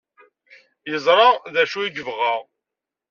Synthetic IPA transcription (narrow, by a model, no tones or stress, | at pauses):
jəzˤɾˤɑðæʃuiɡəvʁaʁ